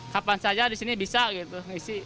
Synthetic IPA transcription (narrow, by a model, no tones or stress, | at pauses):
kapansad͡ʒadisinibisaɡit̪uŋisi